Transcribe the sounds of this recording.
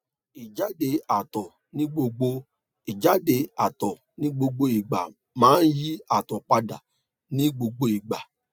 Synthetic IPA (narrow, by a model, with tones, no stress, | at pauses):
i˨d͡ʒa˨˦de˧˦a˨tɔ˨ | nĩ˦ɡ͡bo˧ɡ͡bo˧ | i˨d͡ʒa˨˦de˧˦a˨tɔ˨ | nĩ˦ɡ͡bo˧ɡ͡bo˧i˨ɡ͡ba̰˨ | mãː˨˦n̩˦ji˦a˨tɔ˨k͡pa˧da̰˨ | nĩ˦ɡ͡bo˧ɡ͡bo˧i˨ɡ͡ba˨